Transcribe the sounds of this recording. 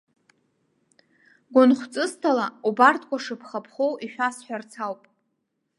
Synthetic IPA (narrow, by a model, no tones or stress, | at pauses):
ɡʷʊnχʷt͡sʼɨstʰalaubartʰʼkʷʰaʂɨpʰχapʰχowiʃᶣasħʷᶣart͡sʰawpʼ